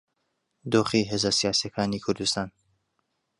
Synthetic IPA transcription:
d̪oːχiːɦeːzasijaːsijakʰaːniːkʰʊɾd̪ɨst̪aːn

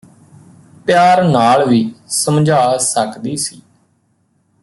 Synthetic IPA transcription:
pjaːɾnaːlʋiːsəmd͡ʒʱaːsəkd̪iːsiː

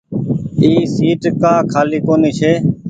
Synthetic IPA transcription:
iːsiːʈkaːkʰaːliːkoːniːt͡ʃʰeː

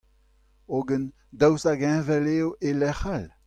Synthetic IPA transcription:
oɡən | d̪awsaɡɛ̃vɛleːoʔelɛχal

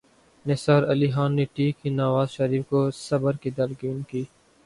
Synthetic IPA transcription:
nesaːɾɐliɦaːnːeʈiːkinɐʋaːzʃɐɾiːfkosɐbəɾkid̪ɐlɡɪːnkiː

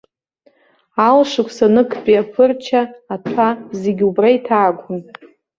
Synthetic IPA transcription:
alʂɨkʷʰʼsanɨkʰpʼiapʰɨrt͡ʃʰaːtʰazeɡʲubraitʰaːɡʷʊn

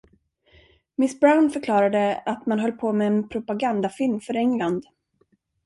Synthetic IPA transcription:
mɪsbɾaʊnfœɾkʰlɑːɾad̪əat̪manɦœlːpʰoːmɛːnpʰɾʊpaɡand̪afɪlmfœɾɛŋland̪

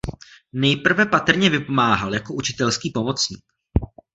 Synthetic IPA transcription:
nɛjpr̩vɛpat̪r̩ɲɛvɪpo̞maːɦaljako̞ʔut͡ʃɪ̥t̪ɛlskiːpo̞mo̞t͡sɲiːk

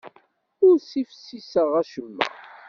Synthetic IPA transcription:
ʊɾsifəsːisəʁæʃəmːæ̰

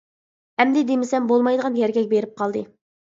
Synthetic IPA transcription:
hɛmd̪ɪd̪emɪsɛmbolˠmɑjd̪əʁɑnjɛɾɡʲɛkʲbeɾɪp̚qʰɑlˠd̪ɨ

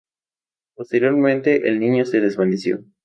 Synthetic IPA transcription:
post̪e̞ɾjo̞ɾmẽnt̪e̞ʔḛlnĩɲo̞seðe̞zβanesjo̰

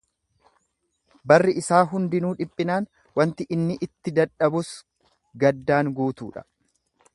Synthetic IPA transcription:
bɐrːɪʔɪsaːɦʊnd̪ɪnuːᶑɪpʼːɪnaːn | wɐnt̪ɪʔɪnːɪʔɪt̪ːɪd̪ɐᶑɐbʊs | ɡɐd̪ːaːŋɡuːt̪uːᶑɐ̥

